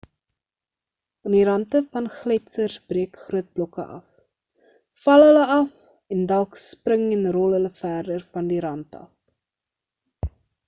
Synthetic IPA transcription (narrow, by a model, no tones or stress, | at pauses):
ɑndiɾɐntəfɐnχlɛtsərsbriəkχruət̚blɔkə̰ʔɐ̰f | fɐlˠɦələɐf | ɛndɐlˠksprəŋɛnrɔlˠɦələfæːrdərfɐndiɾɐntɐ̰f